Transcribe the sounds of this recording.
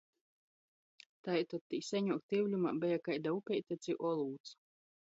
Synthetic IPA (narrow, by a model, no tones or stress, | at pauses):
t̪ajt̪ɔt̪ːiːsɛɲuːk̚t̪iwlʲumabɛjakajd̪aupʲɛjt̪ʲat̪sʲiʔɔlˠuːt̪s